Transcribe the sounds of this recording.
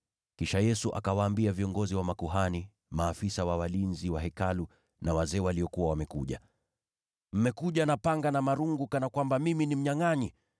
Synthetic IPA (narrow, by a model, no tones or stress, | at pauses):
kiʃajɛsuʔa̰kawaːmbiaviɔŋɡɔziwamakuɦani | maːfisawawalinziwaɦɛkalu | nawazɛːwaliɔkuwawamɛkuʄa | m̩mɛkuʄanapaŋɡanamaɾuŋɡukanakwambamiminim̩ɲaŋaɲi